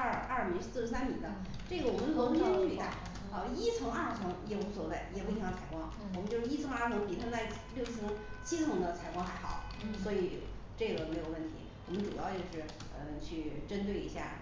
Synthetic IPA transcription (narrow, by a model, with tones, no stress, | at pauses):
ɐ˥˩mi˧˥sɹ̩˥˩ʂɻ̩˥sa˥nmi˨˩d̪ə˦ | ʈ͡ʂɤ˥˩ɡə˩wɔ˨˩mə˦nkʰɤ˧˥o˥˩i˨˩a̰˥˩˧ | i˥t͡sʰɤ˧˥ŋa˥˩t͡sʰɤ˧˥ŋjɛ˨˩pu˥˩swɔ˨˩t͡sa˥˩ɪjɛ˨˩pu˥˩˧t͡sʰa˨˩ɪkwɑ˥ŋwmə˧nt͡ɕjo˥˧ʊʂɻ̩˥˧i˥t͡sʰɤ˧˥ŋa˥˩t͡sʰɤ˧˥ŋpi˨˩t̪ʰa˥t͡sa˥˧ɪ | ljo˥˧ʊ˥t͡sʰɤ˥t͡ɕʰi˥t͡sʰɤ˧˥ŋd̪ə˧t͡sʰa˨˩ɪkwɑ˥ŋxa˧˥ɪxɑ˨˩ʊswɔ˧˥i˨˩˦ | ʈ͡ʂɤ˥˩ɡə˩me˧˥ɪjo˨˩ʊwə˥˩nt̪ʰi˧˥wɔ˨˩mə˦nʈ͡ʂu˨˩jɑ˥˧ʊt͡ɕjo˥˧ʊʂɻ̩˥˩ | ə˧t͡ɕʰy˥˩ʈ͡ʂə˥nt̪we˥˩ɪḭ˧˥ɕja̰˥˩